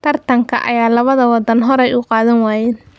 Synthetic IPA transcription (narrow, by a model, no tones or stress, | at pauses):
t̪ʰɐrt̪ʰɐŋkʰɐ̰ʔɐ̰jaːlɐβɐðɐwɑd̪ɐnɦɔɾɛjʊqɑːðɐnwaːjɛːn